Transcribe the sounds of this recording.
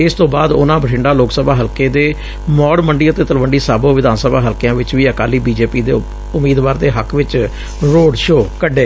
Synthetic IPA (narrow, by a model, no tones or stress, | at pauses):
ɪst̪õːbaːd̪ʊ̰nãːbəʈʰɪɳɖaːloːksəbaːɦəlkeːd̪eː | mɔːɽməɳɖiːət̪eːt̪əlʋəɳɖiːsaːbõːʋɪd̪aːnsəbaːɦəlkjãːʋɪt͡ʃʋiːəkaːliːbiːd͡ʒeːpiːd̪ḛː | ʊmːiːd̪ʋaːɾd̪eːɦəkʰʋɪt͡ʃ | ɾoːɖʃoːkəɖeː